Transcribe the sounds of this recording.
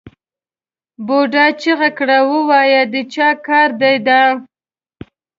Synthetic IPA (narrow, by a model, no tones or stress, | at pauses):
boɖɑt͡ʃeɣakɽawəwɑjad̪ət͡ʃɑkɑɾd̪ajd̪a